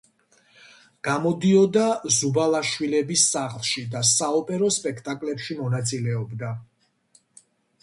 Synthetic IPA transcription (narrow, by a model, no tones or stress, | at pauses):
ɡ̥amɔd̪iɔd̪azubalˠaʃwilɛbisːaχlˠʃid̪asaɔpʼɛɾɔspʼɛkʰt̪ʼakʼlɛpʃimɔnat̪sʼilɛɔbd̪a